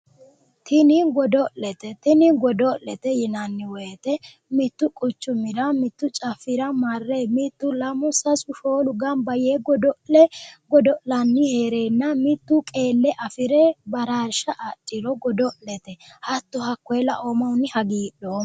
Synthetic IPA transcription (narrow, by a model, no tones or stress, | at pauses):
t̪ʰɪnɪɡɔd̪ɔʔɛt̪ɛt̪ɪnɪɡɔd̪ɔʔlɛt̪ɛjɪnɐnːɪwɔjt̪ɛ | mɪt̪ːʊkʼʊt͡ʃːʊmɪɾɐmɪt̪ːʊt͡ʃʼɐfːɪɾɐmɐrːemɪt̪ːʊlɐmʊsɐsʊʃoːlʊɡɐnbɐjeːɡɔd̪ɔʔɛɡɔd̪ɔʔlɐnːɪheːɾeːnːɐmɪt̪ːʊkʼeːlːɛʔɐfɪɾɛbɐɾaːɾʃɐʔatʼːɪɾɔɡɔd̪ɔʔlɛt̪ɛhɐt̪ːʊhɐkːɔjɛlɐ̰ʔɔmɐwʊnːɪhɐɡiːɗoː